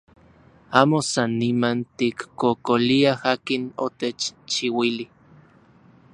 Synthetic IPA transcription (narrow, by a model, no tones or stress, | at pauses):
aːmosanːimant̪ikːkokoliahaːkino̰t̪et͡ʃt͡ʃiwili